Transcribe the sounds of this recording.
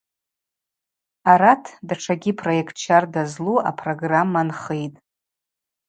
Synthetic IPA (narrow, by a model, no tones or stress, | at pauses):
aɾatʰdaʈ͡ʂʰaɡʲipʰrojekʰtt͡ʃʰardazlua̰pʰro̞ɡramːanχejtʼ